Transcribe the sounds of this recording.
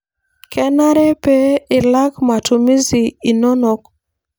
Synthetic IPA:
kɛ˦na˦ɾe˦pe˦ɪ˨la˦kma˨tu˨mi˦zi˨i˨no˦no˨˦k̚

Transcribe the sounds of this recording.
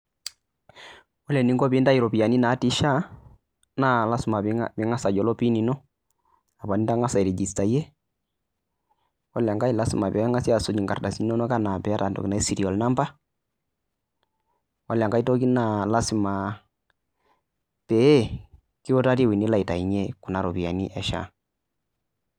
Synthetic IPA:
wɔ˦lɛ˨ni˦ŋɡɔ˦pi˦nda˦i˨ɾɔ˨pi˨ja˨ni˦na˨˦ti˦ʃa˦ | na˦la˦si˨ma˨˦bi˨˦ŋa˦sa˨d͡ʒɔ˨lɔ˦pi˦ni˨nɔ˦ | a˨ba˨ni˦ta˦ŋa˦sa˨i˨ɾɛ˨d͡ʒi˨sta˨jɛ˦ | wa˦lja˨ŋka˦i˦˨la˦si˨ma˨pɛ˨˦ŋa˦si˦a˨so˦d͡ʒi˨ŋɡa̰˨rda˨si˦nɔ˦nɔ˦ka˦na˨pɛ˨˦a˦ta˨n˨tɔ̰˨ki˨na˦i˦si˨ɾi˨ɔ˨lna˦mba˦ | wa˦lja˨ŋɡa˦i˦to˦ki˦na˦˨la˦si˨ma˨ | pɛ˨˦ɛ˦ | ki˦o˦ta˦ti˦wi˨ni˦la˨i˨ta˨i˨ɲɛ˦ku˨na˨ɾo˨pi˨a˨ni˦ʔɛ˨ʃa̰˦˨

